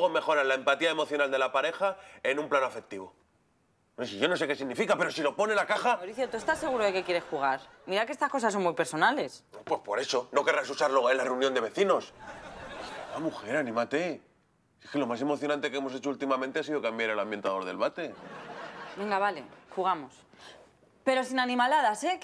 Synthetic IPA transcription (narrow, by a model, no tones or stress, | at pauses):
ɣome̞xo̞ɾanlaempat̪iaemo̞θjo̞nald̪e̞lapaɾe̞xae̞nũmplanoafe̞k̚t̪iβ̞o̞ | esiʝo̞no̞s̬e̞ke̞siɣnifikape̞ɾo̞silo̞po̞nelakaxaawɾiθjot̪ue̞st̪ase̞ɣ̞uɾoðe̞ke̞kje̞ɾe̞sxuɣ̞aɾmiɾakeest̪asko̞saso̞ŋmujpe̞ɾso̞nale̞snopwe̞spo̞ɾe̞so̞no̞ke̞rasusaɾloelareunjond̪e̞βe̞θino̞s | amuxe̞ɾanĩmat̪e̞ | ekelo̞mas̬e̞mo̞θjo̞nãnt̪e̞kee̞mo̞se̞t͡ʃoult̪imamẽnt̪e̞asiðo̞kambjaɾelambje̞nt̪aðo̞ɾðe̞lβat̪e̞ | be̞ŋɡaβalexuɣamo̞s | pe̞ɾo̞sinanĩmalað̞ase